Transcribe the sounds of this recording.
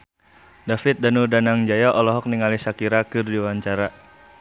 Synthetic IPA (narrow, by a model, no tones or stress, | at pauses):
dafɪt̪̚danudanaŋd͡ʒajaʔɔlɔɦɔk̚niŋalisakiɾakɨrdiwaɲt͡ʃaɾa